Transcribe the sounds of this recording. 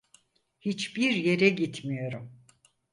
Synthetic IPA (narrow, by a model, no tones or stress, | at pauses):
hit͡ʃbiɾje̞ɾɛɟit̪ʰmijo̞ɾum